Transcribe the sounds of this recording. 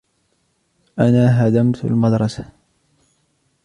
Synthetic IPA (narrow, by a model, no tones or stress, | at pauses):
ʔanaːɦad̪amt̪a̰lmad̪ɾˤɑsa